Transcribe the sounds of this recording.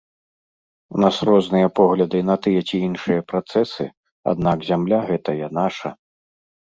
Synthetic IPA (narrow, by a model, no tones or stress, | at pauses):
unasrɔznɨjɐpɔɣlʲɐd̪ɨnɐt̪ɨjɐt͡sʲiinʂɨjɐpɾat̪sɛsɨ̰ | a̰d̪̚naɡzʲamlʲaɣɛt̪ɐjanaʂɐ